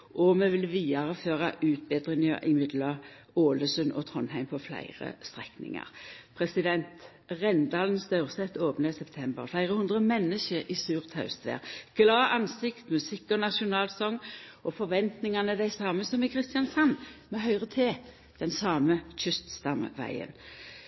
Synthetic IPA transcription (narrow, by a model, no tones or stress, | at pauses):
ʔɔmɛʋɪlʋiːɑʁəføːʁɑʔʉːt̪̚beːd̪ʁɪŋɑʔɪmɪd̪lɑ | oːləsʉnɔ̰t̪ʰʁɔnɦæɪmpʰɔflæ̰ɪʁə̰st̪ʁɛknɪ̰ŋɑ̰ʁpʰʁɛsɪd̪ɛnt̪ | ʁɛnd̪ɑːlnsd̪œʉʁsɛt̪ːoːpnəsɛpt̪ʰɛmbə̰ʁflæɪʁəhʉnd̪ʁəmɛnːəʃəʁisʉːʁt̪hɑʉst̪ʋæ̰ːʁɡ̥lɑːʔɑnsɪkt̪mʉsɪkːɔnɑʃʊnɑːlsɔŋːɔfɔʋɛnt̪nɪŋɑnəd̪æɪsɑːməsɔmɪkʰʁɪst̪ɪjɑnsɑnːmɛɦœʏʁət̪ʰeː | d̪̥ɛnsɑːməçʏst̪st̪ɑmʋæ̰ɪə̰n